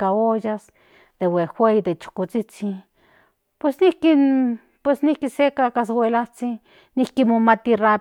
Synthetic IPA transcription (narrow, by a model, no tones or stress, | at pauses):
kaojas | d̪̥ewexʷejd̪et͡ʃu̥kut͡sit͡si | pwesnihki | pwesnihkisekakas̬wʷelat͡si | nihkimomat̪ira